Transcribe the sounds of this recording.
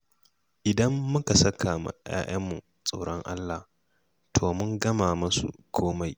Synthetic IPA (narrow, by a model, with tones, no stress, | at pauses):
ʔɪ˨dɐ˦mːʊ˦ka˨sɐ˦kʰaː˨ma̰˨j̰a̰ː˦ʔɐ˦mːu˨ | sʼa˨ɽɔ˦ŋʔa̰˦lːa˨h | tʰoː˨mʊ˦ŋɡɐ˦maː˨mɐ˦sṵ˨kʰoː˦ma˦j